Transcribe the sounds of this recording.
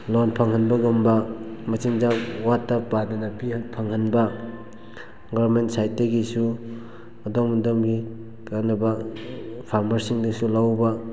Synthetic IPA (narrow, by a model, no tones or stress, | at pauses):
lonpʰɐŋhɐnbɐɡɐmbɐmɐsiŋd͡ʒawatːapːadɐnapihnpʰaŋhɐnbɐ | ɡɔɾmentsajteɡisu | ɐdɔmdomɡi | kanɐbɐ | pʰaɾmɐɾsiŋdɐsulawbɐ